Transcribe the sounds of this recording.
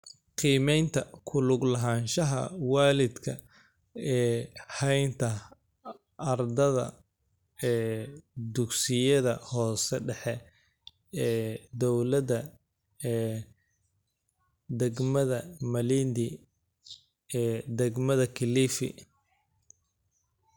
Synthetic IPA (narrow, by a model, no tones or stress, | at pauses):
qiːmɛjnt̪ʰɐkʰʊlʊɡlɐɦaːnʃɐɦɐ̰waːlɪd̪kʰɐ | ɛːhɛjnt̪ʰɐ | ɐrd̪ɐðɐ̰ | ɛːd̪ʊɡsɪjɐðɐhɔːsɛɖɛħɛ | ɛːd̪ɔwlɐðɐ | ɛː | d̪ɛɡmɐðɐmɐlind̪ɪ | ɛːd̪ɛɡmɐðɐkʰɪliːfɪ̰